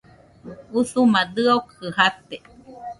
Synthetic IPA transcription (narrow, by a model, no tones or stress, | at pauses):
uθumad̪ɨokɨhat̪e